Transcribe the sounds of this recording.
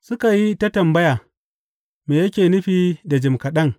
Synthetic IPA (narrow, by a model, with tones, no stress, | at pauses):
sʊ˦ka˨ji˦ta˦tɐ˨mbɐ˦ja˨ | meː˨jɐ˦kʲeː˨nʊ˦ɸiː˦da˨d͡ʒɪ˨mkɐ˨ɗɐ˦ŋ